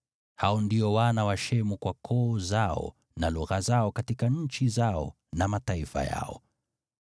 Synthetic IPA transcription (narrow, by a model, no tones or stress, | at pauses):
haɔndiɔwanawaʃɛmukwakʰɔːzaɔ̰ | naluɣazaɔkatikaɲ̩t͡ʃizaɔ̰ | namataifa̰ja̰ɔ̰